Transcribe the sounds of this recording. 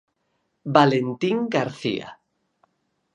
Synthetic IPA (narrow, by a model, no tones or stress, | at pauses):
balent̪iŋɡaɾθḭa̰